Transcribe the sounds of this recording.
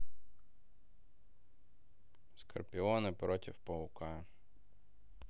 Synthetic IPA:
skɐ̰rpʲɪɔnɪpɾɔtʲɪfpɔʊka

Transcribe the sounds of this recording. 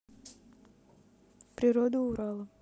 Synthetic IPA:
pɾʲɪɾod̪əʊɾɑlˠə

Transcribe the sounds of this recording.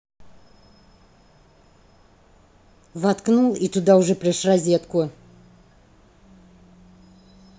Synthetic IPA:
vat̪knulˠit̪ʊd̪aʊʐɛpɾʲɪʂrɐzʲet̪kʊ

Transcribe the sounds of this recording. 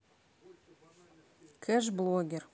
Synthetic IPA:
kʰeʒblˠoɡʲer

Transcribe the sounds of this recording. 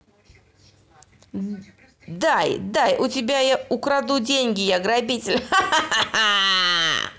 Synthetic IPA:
d̪ajd̪ajʔʊtʲɪbʲajaʊkɾad̪udʲenʲɡʲɪjaɡɾɐbʲitʲɪlʲ

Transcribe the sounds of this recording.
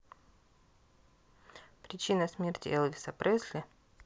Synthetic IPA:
pɾʲɪt͡ɕinəsmʲertʲɪ̰ɛlˠvʲɪsɐpɾʔɛsʲlʲɪ

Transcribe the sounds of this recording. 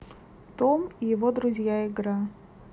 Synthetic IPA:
t̪omijɪvod̪ɾʊzʲjaɪɡɾa

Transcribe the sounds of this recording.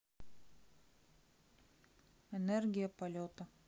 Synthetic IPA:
ɛnerʲɡʲɪjɐpɐlʲot̪ɐ

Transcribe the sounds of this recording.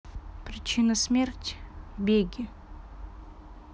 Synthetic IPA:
pɾʲɪt͡ɕinəsmʲertʲbʲeɡʲɪ

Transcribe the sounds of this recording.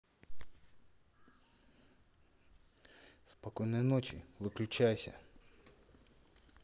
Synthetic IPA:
spɐkɔjnɔjnɔt͡ʃḭʋɨklʲʊt͡ʃajʊsʲɐ̰

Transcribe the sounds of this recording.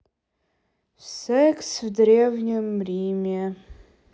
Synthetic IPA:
sɛkʰsvdrʲevnʲimrimʲa

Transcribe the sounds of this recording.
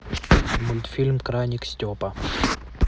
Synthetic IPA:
mʊlʲt̪fʲilʲmkɾajnʲiksʲtʲopɐ

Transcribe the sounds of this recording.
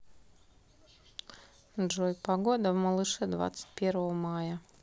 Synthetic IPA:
d͡ʒɔjpaɡuɔd̪amɔlˠɨʃɛd̪va̰t̪sʲpʲiɛɾɔɔmaːja

